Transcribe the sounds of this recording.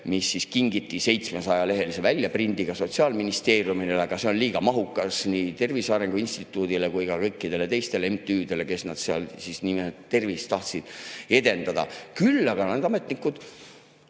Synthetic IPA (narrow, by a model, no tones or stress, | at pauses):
misːiskiŋɡ̥it̪ːˑise̞jt̪smesɑjɑle̞ɦe̞lise̞vælʲjɑprind̪iɡ̥ɑso̞t̪siɑːlminist̪e̞ːrjumineleɡ̥ɑse̞o̞nliːɡ̥ɑmɑɦukːɑsniːt̪e̞rvisɑːɾe̞ŋɡ̥uinst̪it̪ːˑuːd̪ile̞kujkɑkɤjkːˑid̪e̞le̞t̪e̞jst̪e̞lemt̪ˑyːd̪̥e̞le̞ke̞snɑd̪̥seɑ̰lsisniːmet̪e̞rvist̪ɑht̪sid̪̥e̞d̪e̞nd̪̥ɑd̪̥ɑ̰kylːɑɡ̥ɑned̪ɑme̞t̪nikːud̪̥